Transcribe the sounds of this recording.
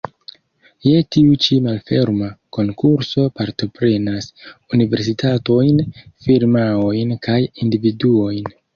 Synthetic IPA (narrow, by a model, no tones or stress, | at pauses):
je̞tiut͡ʃimalfe̞ɾmako̞ŋkuɾso̞paɾto̞pɾe̞nasunive̞ɾs̬itato̞jnfiɾmao̞jnkʰajindividuo̞jn